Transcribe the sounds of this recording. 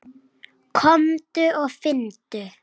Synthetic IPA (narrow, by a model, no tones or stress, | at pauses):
kʰɔmd̪̥ʉoːfɪnt̪ʉ